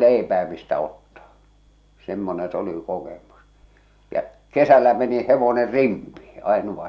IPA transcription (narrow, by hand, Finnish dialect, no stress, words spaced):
leˑipæː mistæ otːɑː semːonẽː s oli kokemus jæ kesælːæ meni heʋoner rimpiː ɑenuʋɑ